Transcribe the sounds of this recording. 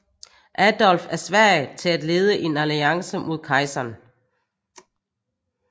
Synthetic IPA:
ʔæd̥ɒlfæɐsʋæɐ̰ɪt͡sʰe̝læd̥le̝ːð̞ˠəʔe̝næliɑ̈ŋsəmʔo̝ð̞ˠkʰɑ̈ɪsɐn

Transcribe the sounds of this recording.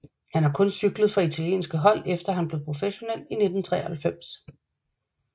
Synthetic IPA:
hænhɑ̈kʰɔ̽nsyɡ̥ləð̞̩ˠfʁɑ̈it͡sʰæljḛːnsɡ̥əɦɒ̽l̰efd̥ɐɦænb̥le̝ð̩ˠpʰʁo̝feɕo̝nel̰ine̝d̥n̩t͡sʰʁɛ̰ːɐhælfem̰s

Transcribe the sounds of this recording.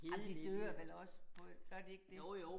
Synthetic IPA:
hæmd̥id̥øːɐʋelɒ̽səpʰɔb̥lɒd̥ie̝ɡ̥̚d̥eo

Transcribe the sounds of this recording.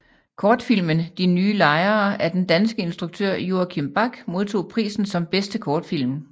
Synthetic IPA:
kʰɒːd̥fil̰mənd̥inyːlɑ̈ɪɐːʔæɐd̥end̥ænsɡ̥əe̝nsd̥ʁuɡ̥̚t͡sʰøɐ̰jo̝ːɐkʰimb̥ɑ̈ɡ̥mo̝ð̞ˠt͡sʰo̝̰ːpʰʁḭːsn̩sɒ̽mb̥esd̥əkʰɒːd̥fil̰m

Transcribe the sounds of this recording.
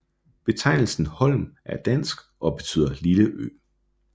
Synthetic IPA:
b̥e̝t͡sʰɑ̈ɪ̰nl̩sn̩hɒ̽l̰mæɐd̥æn̰sɡ̥ʔɒ̽b̥e̝t͡sʰy̰ð̰ˠɐliləʔø̰ː

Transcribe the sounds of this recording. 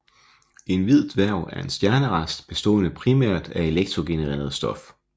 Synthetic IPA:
e̝nʋið̞̰ˠd̥ʋæɐ̰ʊæɐe̝nsd̥jæɐnəʁɑ̈sd̥b̥e̝sd̥ɔ̰ːnəpʰʁimæ̰ɐ̰d̥æe̝leɡ̥̚t͡sʰʁo̝ɡ̥e̝nəʁḛːɐð̞̩ˠsd̥ɒ̽f

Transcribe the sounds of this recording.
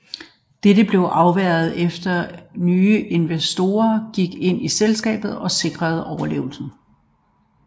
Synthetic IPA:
d̥edəb̥le̝ʊʔɑ̈ʊʋæɐð̞̩ˠefd̥ɐnyːəʔe̝nʋæsd̥o̝̰ːɐɡ̥iɡ̥e̝n̰iselsɡ̥ɛ̰ːb̥ð̞̩ˠɒ̽se̝ɡ̥ʁɐð̞̩ˠɒʊɐle̝̰ːʊl̩sn̩

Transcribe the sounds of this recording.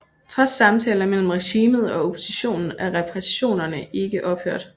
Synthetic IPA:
t͡sʰʁɒ̽sːɑ̈mt͡sʰɛ̰ːlɐmel̰m̩ʁɛɕiːməð̞̩ˠɒ̽o̝pʰo̝̥siɕo̝̰ːnn̩æɐʁɛpʰʁɛsi̥ɕo̝̰ːnɐnəʔe̝ɡ̥əʔɒ̽b̥hø̰ɐ̰d̥

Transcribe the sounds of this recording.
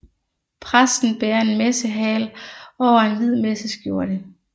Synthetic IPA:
pʰʁasd̥n̩b̥eːɐe̝nmesəɦɛ̰ːlɒʊɐe̝nʋið̰ˠmesəsɡ̥jo̝ɐɾ̥ə

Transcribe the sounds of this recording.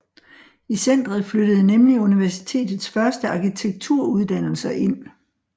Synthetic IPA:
isen̰d̥ʁɐð̩ˠfløɾ̥əð̩ˠənemliuniʋæɐsi̥t͡sʰe̝̰ːd̥ð̞̩ˠsfɶɐsd̥əɑ̈kit͡sʰeɡ̥̚t͡sʰuɐ̰uð̞ˠd̥æn̰l̩sɐʔe̝n̰

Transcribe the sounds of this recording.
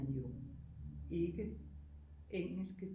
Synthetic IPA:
ænjo̰n | e̝ɡ̥ə | ʔeŋ̰l̩sɡ̥ə

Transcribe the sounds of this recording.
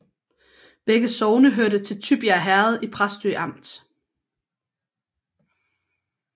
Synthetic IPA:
b̥eɡ̥əsɒʊnəɦøɐɾət͡sʰe̝lt͡sʰyb̥iæɦæɐð̞̩ˠipʰʁasd̥y̰ʔɑ̈m̰d̥

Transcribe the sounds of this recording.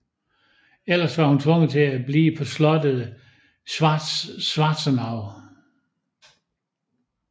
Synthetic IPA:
el̰ɐsʋɑ̈hunt͡sʰʋɔ̽ŋ̰ət͡sʰe̝æb̥lḭːpʰɒ̽slɒ̽d̥əð̩ˠ | sʋɑdsʋɑ̈ːd̥sɐnɑ̈ʊ

